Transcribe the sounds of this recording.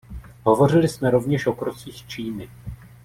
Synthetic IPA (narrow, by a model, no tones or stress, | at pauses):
ɦo̞vo̞r̝ɪlɪsmɛɾo̞vɲɛʃʔo̞kɾot͡siːxt͡ʃiːnɪ